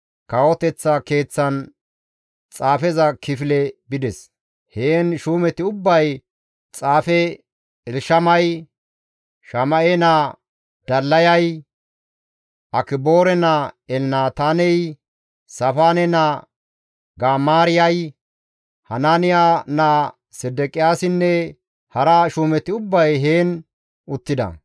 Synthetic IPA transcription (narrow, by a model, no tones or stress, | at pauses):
kɐwɔt̪ɛt͡sːɐke̞ːt͡sːɐn | t͡sʼaːfɛzɐkɪfɪlɛbɪd̪ɛs | heːnʃuːmɛt̪ɪʊbːɐj | t͡sʼaːfɛ | ɛlʃɐmɐj | ʃɐmɐʔɛnɐ | d̪̥ɐlːɐjɐj | ʔɐkɪbo̞ːɾɛnɐɛlnaːt̪aːnɛj | sɐfaːnɛnɐ | ɡaːmaːɾɪjɐj | hɐnanɪjana | sɛd̪ɛkʼɪjaːsɪnːɛ | hɐɾɐʃuːmɛt̪ːɪʊbːɐjɦeːn | ʊt̪ːɪd̪ɐ̰